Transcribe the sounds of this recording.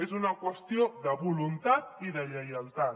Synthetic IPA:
ezunakwəst̪joðəβulunt̪at̪iðəʎəjalt̪a

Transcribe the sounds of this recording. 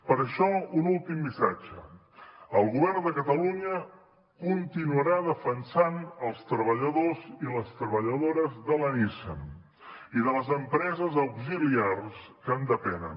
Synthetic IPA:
pəɾəʃɔunulˠt̪imbisad͡ʒə̰ | əlˠɣuβɛrnd̪əkət̪əluɲə | kunt̪inuəɾaðəfənsanəlˠst̪ɾəβəʎəðoziləst̪ɾəβəʎəðoɾəzðələnisə̰m | iðələzəmpɾɛzəzəwɡziliarskənd̪əpɛnə̰n

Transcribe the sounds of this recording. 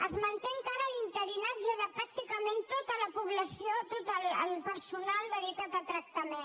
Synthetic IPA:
əzmənt̪eŋkaɾəlint̪əɾinad͡ʒəðəpɾak̚t̪ikəment̪ot̪ələpuβləsiot̪ot̪ələlpəɾsunalˠd̪əðit̪at̪ət̪ɾək̚t̪əmen

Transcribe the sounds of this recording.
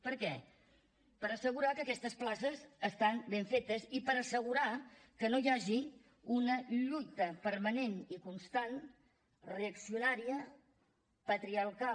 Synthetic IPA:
pəɾkɛ | pəɾəsəɣ̞uɾakəkɛst̪əsplasəzəst̪anbeɱfet̪əzipəɾəsəɣ̞uɾakənojaʒi | unəʎut̪əpəɾmənenikunst̪an | reəksiunaɾiə | pət̪ɾiaɾka

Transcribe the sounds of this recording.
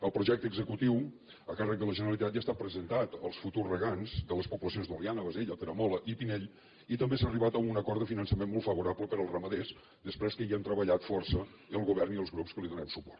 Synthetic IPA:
əlˠpɾuʒɛk̚t̪əɡzəkut̪iw | əkarək̚d̪ələʒənəɾəlˠit̪at̪ʒast̪apɾəzənt̪at̪əlˠsfut̪urrəɣanzd̪ələspupuləsionzðulianəβəzeʎət̪əɾəmɔləʔipinɛʎ | it̪əmbesariβat̪əunəkɔɾt̪əfinənsəmenmɔlˠfəβuɾapləpəɾəlˠrəməðez | d̪əspɾɛskəiənt̪ɾəβəʎat̪fɔrsə | iəlˠɣuβɛrniəlˠzɣɾupskəliðunɛwsupɔrt̪

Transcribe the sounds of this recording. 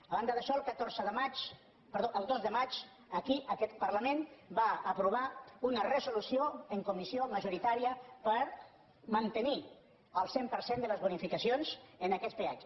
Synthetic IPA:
əβand̪əðəʃɔəlˠkət̪oɾzəðəmat͡ʃ | pəɾðoʔəlˠd̪ozðəmat͡ʃ | əkiʔəkɛt̪pərləmẽnbaəpɾuβ̞aunərəzulusioəŋkumisioməʒuɾit̪aɾiəpəɾ | mənt̪əni | əlˠsempəɾsend̪ələzβunifikəsionzənəkɛspea

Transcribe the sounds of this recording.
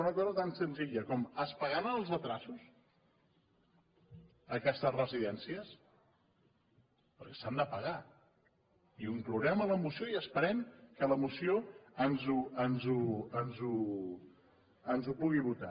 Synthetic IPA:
unəkɔzət̪ansənziʎəkɔməspəɣaɾənəlˠzət̪ɾasus | əkɛst̪əzrəziðɛnsiəs | pəɾkɛsand̪əpəɣa | iuŋkluɾɛmələmusioiəspəɾɛmkələmusioənzuənzuənzu | ənzupuɣiβut̪a

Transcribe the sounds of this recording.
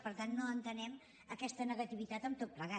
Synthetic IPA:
pəɾt̪anːoənt̪ənɛm | əkɛst̪ənəɣət̪iβit̪at̪əmt̪ot̪̚pləɣa

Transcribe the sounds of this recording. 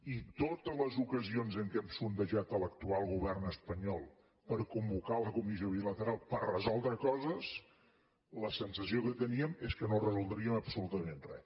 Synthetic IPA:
it̪ot̪əzləzukəzionzəŋkɛmsund̪əʒat̪ələkt̪ualˠɣuβɛrnəspəɲɔlˠ | pəɾkumbukaləkumizioβilət̪əɾalˠpərrəzɔlˠd̪ɾəkɔzəs | ləsənsəsiokət̪əniəmeskənorəzulˠd̪ɾiəməpsulut̪əmenrɛ̰

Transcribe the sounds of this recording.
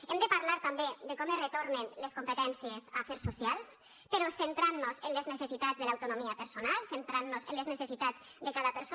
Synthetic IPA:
emd̪əpaɾlaɾt̪ambed̪əkɔmərət̪oɾnənləskumpət̪ɛnsiəzafeɾsːusialˠs | pəɾɔsənt̪ɾanːozənləznəsesit̪azðəlawt̪unomiapəɾsonalˠsent̪ɾanːozənləznəsesit̪ad͡z | d̪əkaðapəɾso

